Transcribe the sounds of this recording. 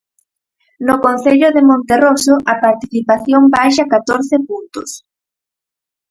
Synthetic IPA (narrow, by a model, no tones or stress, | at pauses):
nokonθeʎoðemõnt̪erosoʔɐpaɾt̪iθipaθjombajʃakat̪oɾθepunt̪o̰s